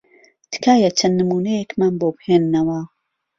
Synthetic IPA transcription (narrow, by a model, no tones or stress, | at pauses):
t̪ɨ̥kaːjɐt͡ʃʰɐnːɨmuːnejekmaːnboːbheːnːɐwɐ